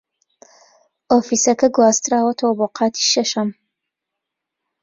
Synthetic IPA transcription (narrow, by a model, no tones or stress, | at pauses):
ʔoːfiːsɐkɐɡwaːst̪ɨɾaːwɐt̪ʰɐwɐboːqʰɑːt̪ʰi̥ʃɐʃɐm